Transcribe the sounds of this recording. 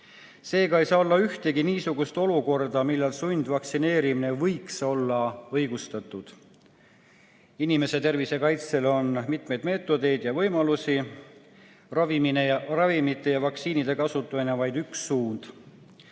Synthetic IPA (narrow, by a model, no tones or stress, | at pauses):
se̞ːɡɑejsɑːo̞lːɑyht̪e̞ɡiniːsuɡust̪o̞luko̞rd̪ɑmilːɑlsund̪̥vɑksine̞ːɾimine̞vɤjkso̞lːɑɤjɡ̥ust̪ɑt̪ːˑud̪̥ | inime̞se̞t̪e̞rvise̞kɑjt̪se̞lo̞nmit̪me̞jd̪̥me̞ːt̪ːˑo̞d̪e̞jd̪jɑvɤ̞jmɑlusi | rɑviminerɑvimit̪ːˑe̞jɑvɑksiːnid̪̥e̞kɑsut̪ːˑɑminevɑjd̪yksːuːnd̪̥